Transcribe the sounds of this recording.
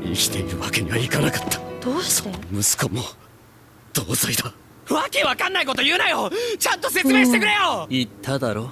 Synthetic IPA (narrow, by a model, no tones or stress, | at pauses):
ikʲi̥t̪e̞iɾɯ̟βake̞ɲ̟iβaikanakḁt̪ʰːḁd̪̥oːɕi̥t̪emɯ̟sɨ̥komo | d̪̥oːzoid̪a | βake̞βakãnːaiko̞t̪o̞jɯ̟ːnajot͡ɕãnt̪o̞se̞st͡sɨmẽɕiit̪e̞kɯ̟ɾe̞joit̪ʰːad̪aɾo̞